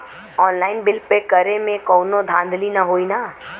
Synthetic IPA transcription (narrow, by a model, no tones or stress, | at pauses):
ɔːnlaːɪnbɪlpekəɾemẽkɔːnod̪ʱãːnd̪ʱlinaɦoːinaː